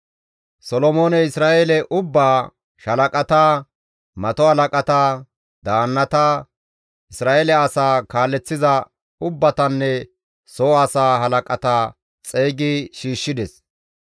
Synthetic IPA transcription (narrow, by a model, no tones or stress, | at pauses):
sɔlɔmo̞ːnɛɪsɾaːʔelɛʔʊbːaː | ʃɐlɐkʼɐt̪aː | mɐt̪ɔhɐlɐkʼɐt̪aː | d̪aːnːɐt̪aː | ʔɪsɾaːelɛɐsaːkaːlːɛt͡sːɪzɐ | ʊbːɐt̪ɐnːɛ | sɔɐsaːɦɐlɐkʼɐt̪aː | t͡sʼeːɡɪʃiːʃːɪd̪ɛs